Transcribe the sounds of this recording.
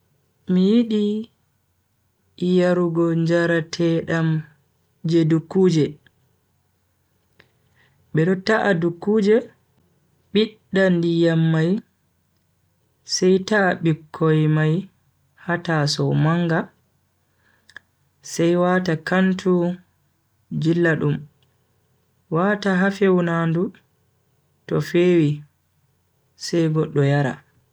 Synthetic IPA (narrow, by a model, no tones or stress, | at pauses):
mijiɗi | jaɾuɡɔɲd͡ʒaɾatʰɛɗam | d͡ʒedukːud͡ʒɛ | ɓɛɗɔtaʔadukːuːd͡ʒɛ | ɓiɗːandijamːaj | sajtaɓikʰːɔjmaj | hatasɔmaŋɡa | sajwaːtakantʰu | d͡ʒilːaɗum | wataɦafewnandu | tɔfeːwi | sɛjɡɔɗːɔjaɾa̰